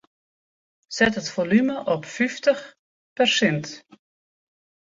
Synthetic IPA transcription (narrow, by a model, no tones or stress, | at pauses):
sɛtɦətfolyməʔɔpfyftəχ | pɛrsɪnt